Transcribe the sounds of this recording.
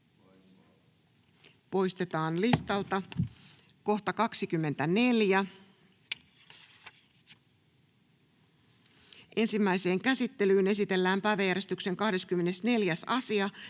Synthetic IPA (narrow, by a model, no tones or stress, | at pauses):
po̞jst̪e̞t̪ɑːnlist̪ɑlt̪ɑ | ko̞ht̪ɑkɑksikymːe̞nt̪æne̞ljæ | ʔe̞nsimːæjse̞ːŋkæsit̪ːe̞lyːne̞sit̪e̞lːæːmpæːʋæjæɾe̞st̪ykse̞ŋkɑhde̞skymːe̞ne̞sne̞ljæsɑsiɑ